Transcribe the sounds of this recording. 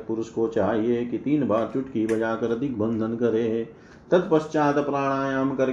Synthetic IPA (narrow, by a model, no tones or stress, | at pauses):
pʊɾʊʃkot͡ʃaːɦiekit̪iːnbaːɾt͡ʃʊʈkibɐd͡ʒaːkɐɾɐd̪ʱɪkbə̃nd̪ʱənkɐɾeː | t̪ɐd̪̚pɐʃt͡ʃaːt̪ɐpɾaːɽ̃aːjaːmkɐɾ